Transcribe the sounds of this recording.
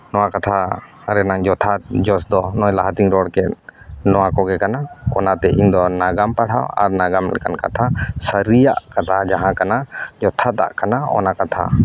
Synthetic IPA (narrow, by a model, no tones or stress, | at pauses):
nɔwakat̪ʰa | ɾɛnaŋd͡ʒɔt̪ʰad͡ʒɔsd̪ɔnɔjlaɦat̪iŋɾɔɽkɛt̪̚nɔwakɔɡɛkanaɔ̰nat̪ɛʔiɲd̪ɔnaɡampaɽa̰wa̰ɾnaɡamlɛ̰ka̰nka̰t̪ʰasəɾijaʔkat̪ʰad͡ʒaɦãkanad͡ʒɔt̪ʰat̪a̰ʔkanaɔ̰nakat̪ʰa̰